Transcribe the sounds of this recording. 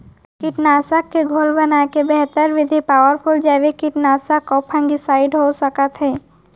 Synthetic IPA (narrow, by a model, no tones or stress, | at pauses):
kɪʈnaːsəkːeɡʱolbənakebɛɦt̪əɾʋɪd̪ʱipaːwəɾpʰʊld͡ʒɛʋekɪʈnaːsəkːɔpʰɛ̃ŋɡisaːɪɖɦosəkət̪ɦɛː